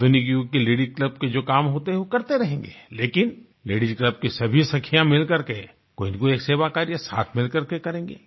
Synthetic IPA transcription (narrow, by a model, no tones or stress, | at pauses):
d̪ʊniɡjukeleːɖɪkləb̚ked͡ʒoːkaːmɦoːt̪eɦɛʋokɐɾt̪eɾɐɦẽːŋɡḛleːkɪn | leːɽɪd͡ʒkləb̚kisɐbʱisɐkʰːijãmɪlkɐɾke | koːɪnkoeːkseːʋakaːɾijasa̰ːt̪ʰmɪlkɐɾkekɐɾẽːŋɡḛː